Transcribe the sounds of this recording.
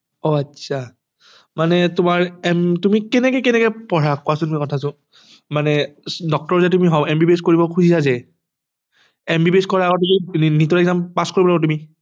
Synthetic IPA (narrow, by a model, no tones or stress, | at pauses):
ɔatsʰa | manɛtʊmaɹɛmtumikɛnɛkɛkɛnɛkɛpɔɹakʊasʊ̃tumikɔtʰasʊ̃ | manɛdɔk̚tɔɹzɛtumiɦɔ̃ɛmbibeskoɹibɔkʰuzisazɛ | ɛmbibeskɔɹaaɡɔtuminitɔɛkzampaskoɹibɔlaɡɔt̬umi